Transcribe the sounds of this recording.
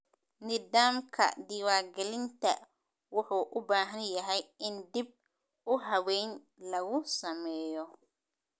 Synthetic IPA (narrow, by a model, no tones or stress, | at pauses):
nɪðaːmkʰɐ̰d̪iːwaːɡɛlɪnt̪ʰɐ̰ | wʊħuːʔʊbaːɦɐnjɐɦɛjɪnd̪ib̚ | ʊɦɐwɛjn | lɐɣʊsɐmɛːjɔ